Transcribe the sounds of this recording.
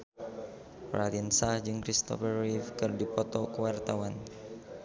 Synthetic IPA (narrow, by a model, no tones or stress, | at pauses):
pɾaliənsahd͡ʒɨŋkɾist̪ɔ̰fərːifkɨrdipɔt̪ɔkəwart̪awan